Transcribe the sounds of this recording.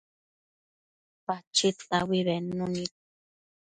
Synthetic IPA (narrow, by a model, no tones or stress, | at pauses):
pat͡ʃʰitawiβɛnũnit̪̚